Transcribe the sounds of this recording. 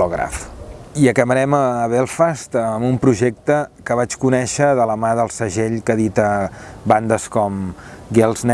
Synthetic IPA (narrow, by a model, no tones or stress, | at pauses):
ɔɣɾa̰fiəkəməɾɛməːβɛlˠfast̪əmumpɾuʒek̚t̪əkəβat͡ʃkunɛʃəðələmaðəlˠsəʒeʎkəðit̪əband̪əskɔmɡɛlˠznɛ